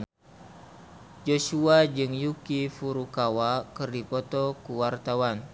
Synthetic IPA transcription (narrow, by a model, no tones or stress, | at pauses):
d͡ʒoʃuad͡ʒɨŋjukifuɾukawakɨrdipɔt̪ɔkuwart̪awan